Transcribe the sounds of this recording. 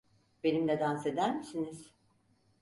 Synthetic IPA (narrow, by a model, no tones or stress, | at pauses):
b̥e̞nimd̪ʲɛd̪anse̞d̪æɾmisiniz̥